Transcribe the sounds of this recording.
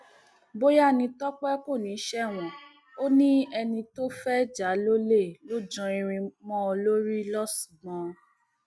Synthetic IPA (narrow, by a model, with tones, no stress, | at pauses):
bo˦ja˦˨nĩ˧tɔ˦k͡pɛ˦ko˦˨nĩ˨˦ʃɛ˦˨w̃ɔ̃˨ | o˦nĩ˦ɛ˧nĩ˧to˦fɛ˦d͡ʒa˨˦lo˦le˦˨lo˦d͡ʒɔ̃˧i˧ɾ̃ĩ˧mɔ̃˦˧lo˦ɾi˦lɔ˦su̥˨ɡ͡bɔ̃˨